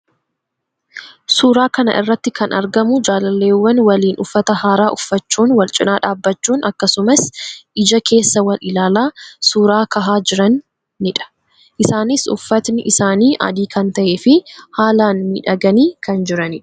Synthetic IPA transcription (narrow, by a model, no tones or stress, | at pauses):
suːɾaːkɐnɐ̰ʔɪ̰rːɐt̪ːɪkɐnɐ̰ɾɡɐmʊd͡ʒaːlɐlːe̞ːwːɐnwɐliːnʊfːɐt̪ɐhaːɾaːʔʊfːɐt͡ʃːuːnwɐlt͡ʃʼɪnaːᶑaːbːɐt͡ʃːuːnʔɐkːɐsʊmɐsʔɪd͡ʒɐkʰe̞ːsːɐwɐlɪlaːlaːsuːɾaːkɐɦaːd͡ʒɪɾɐnː | ɪᶑɐ̥ | ʔɪsaːnɪsʊ̰fːɐt̪nɪʔɪsaːniːʔɐ̰d̪iːkʰɐnt̪ɐʔeːfɪhaːlaːnmiːᶑɐɡɐniːkʰɐnd͡ʒɪɾɐnɪᶑɐ̥